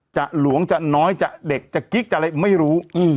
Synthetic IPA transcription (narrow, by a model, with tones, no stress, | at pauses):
t͡ɕa˨˩ʔlu˩˦əŋt͡ɕa˨˩nɔː˦˥jt͡ɕa˨˩ʔde˨˩k̚t͡ɕa˨˩ki˦˥k̚t͡ɕa˨˩la˧jma˥˩jɾuː˦˥˧